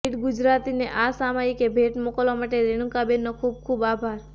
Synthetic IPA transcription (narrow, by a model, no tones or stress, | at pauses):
eʈɡʊd͡ʒɾaːt̪ineʔaːsaːmaikebʱeːʈmokɔlɔmaʈeɾeɽ̃ũkabenːɔkʰub̚kʰuːbaːbʱaːɾ